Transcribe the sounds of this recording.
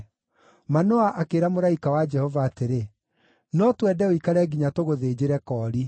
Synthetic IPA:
manoaʔakeɾamoɾaikawad͡ʒɛhɔvaːteɾe | nɔtwɛdɛoikaɾɛɡiɲatoɣoðeːd͡ʑeɾɛkɔːɾi

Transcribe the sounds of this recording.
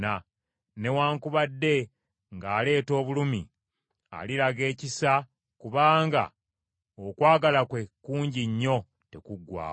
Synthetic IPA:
a | ne̞waːŋkuβadːe̞ | ŋɡaːle̞ːto̞ːβulumi | a̰lilaɡe̞ːcisa | kuβaːŋɡa̰ | okwaːɡalakwe̞kuːɲɟiɲːo̞ | te̞kuɡwa̰ː

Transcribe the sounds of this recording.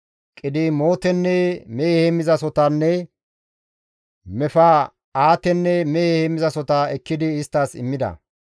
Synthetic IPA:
kʼɪd̪ɪmo̞ːt̪ɛnːɛmɛhɛmɪzɐsɔt̪ɐnːɛ | mɛfa | aːt̪ɛnːɛmɛhemɪzɐsɔt̪ɐɛkːɪd̪ɪːst̪ːɐsɪ̰mːɪd̪ɐ̰

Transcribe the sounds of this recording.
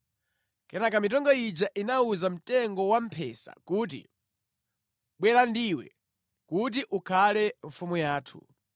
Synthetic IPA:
kɛnakamitɔŋɡɔid͡ʒaʔinauzam̩tɛŋɡɔwampʰɛsa̰kuːt̬ḭ | ɓwɛlandiwɛ̰ | kut̬iʔukʰalɛɱfumujaːtʰṵ

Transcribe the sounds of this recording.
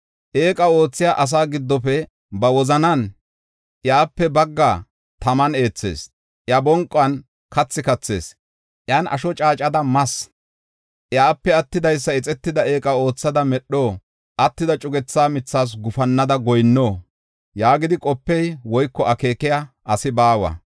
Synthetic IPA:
ʔeːkʼɐo̞ːt͡sːɪjaːʔɐs̬aːɡɪd̪ːɔfɛ | bɐwɔzɐnɐn | ʔjaːpːɛbɐɡːa | t̪ɐmɐne̞ːt͡sːe̞̰ːs | ʔjabɔŋkʼːɐn | kɐt͡sːɪkɐt͡sːe̞̰ːs | ʔjaːnʔɐ̰ʃɔt͡ʃʼaːt͡ʃʼɐd̪ɐmɐs | ʔjaːpːɛɐt̪ːɪd̪ɐjs̬ːɐɪt͡sʼɛt̪ːɪd̪ɐe̞ːkʼɐo̞ːt͡sːɐd̪ɐmɛɗːoː | ʔɐt̪ːɪd̪ɐt͡ʃʼʊɡɛt͡sːaːmɪt͡sːaːs̬ɡʊfɐnːɐd̪ɐɡɔjnːoː | jaːɡɪd̪ɪkʼɔpːɛjwɔjkːɔʔɐke̞ːkɪja | ʔɐsɪbaːwɐ̰

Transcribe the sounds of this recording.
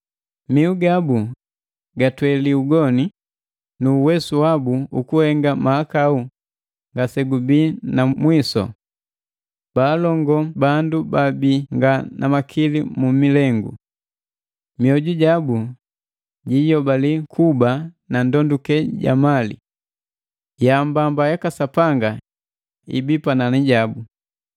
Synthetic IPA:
miuɡabu | ɡatwɛliuɡɔni | nuːwɛsuwabuukuhɛŋɡamaakau | ŋɡasɛɡubinamwisɔ̰ | b̥aːlɔŋɡɔbandubabiŋɡanʔamakʰilimumilɛŋɡṵ | miɔɟuɟabu | ɟijɔbalikʰubanandɔndukɛɟa̰malḭ | jambambajakasapaŋɡa | ḭbipananiɟabu

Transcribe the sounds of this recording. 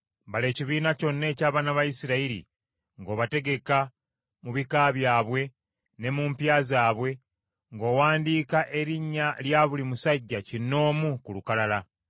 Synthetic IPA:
bale̞ːciβiːnaco̞nːe̞ːcaːβaːnaβajisiɾaiɾḭ | ŋɡo̞ːβate̞ɡe̞ka | muβikaːβjaːβwe̞ | ne̞mumpjaːzaːβwe̞ | ŋɡo̞ːwaːndiːkaʔe̞ɾiɲːaljaːβulimusaɟːacinːo̞ːmukulukalala

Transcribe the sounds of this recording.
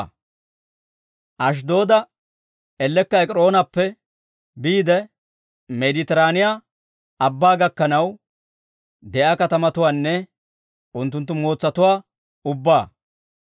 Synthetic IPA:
ʔɐʃ̬d̪o̞ːd̪ɐ | ɛlːɛkːɐɛkʼɾo̞ːnɐpːɛ | biːd̪ɛ | mɛd̪ɪt̪ɛɾaːnɪjaː | ɐbːaːɡɐkːɐnɐw | d̪ɛʔakɐt̪ɐmɐt̪ʊwaːnːɛ | ʔʊnt̪ːʊnt̪̬ːʊmo̞ːt͡sːɐt̪ʊwaː | ʊbːaː

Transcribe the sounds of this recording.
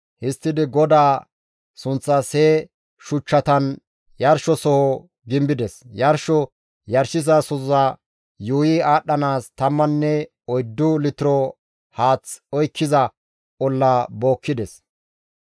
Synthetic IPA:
hɪst̪ːɪd̪ɪɡɔd̪aː | sʊnt͡sːɐseː | ʃʊt͡ʃːɐt̪ɐn | jɐɾʃɔsɔhɔ | ɡɪmbɪd̪ɛsjɐɾʃɔ | jɐɾʃɪzɐsʊɐ | juːjɪaːɗːɐnaːst̪ɐmːɐnːɛ | ɔjd̪ːʊlɪt̪ɪɾɔ | haːt͡sɔjkʰːɪzɐ | ʔɔlːabo̞ːkːɪd̪ɛs

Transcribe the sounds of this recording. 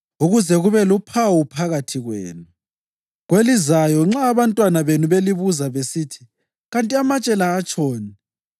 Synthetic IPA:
uɣuzɛɣuβɛlupʰawupʰaɣatʰiɣwḛːnu | ɣwelizajɔŋ͡ǁaːβantʼwanaβenuβeliβuzaβesiːtʰi̥ | ɣantʼiamat͡ʃʼɛlaːt͡ʃʼɔːni

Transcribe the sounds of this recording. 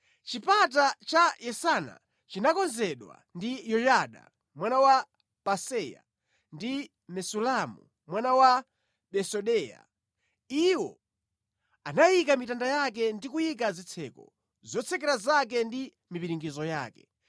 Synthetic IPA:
t͡ʃipat̬at͡ʃajɛsana̰ | t͡ʃinakɔnzɛɗwa̰ndijɔjaɗa̰ | mwanawa | pasɛja̰ | ndi | mɛsulamṵ | mwanawa | ɓɛsɔɗɛja̰ | iwɔ̰ | anajikamitandajak̬ɛndikujik̬azit͡sʰɛːkɔ̰ | zɔt͡sʰɛkɛɾazak̬ɛndi | mipiɾiŋɡizɔja̰ːkɛ̥

